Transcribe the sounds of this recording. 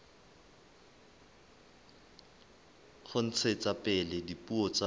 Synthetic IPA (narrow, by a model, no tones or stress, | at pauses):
χʊn̩t͡sʰet͡sapʼɛlɛdipʼuɔt͡sa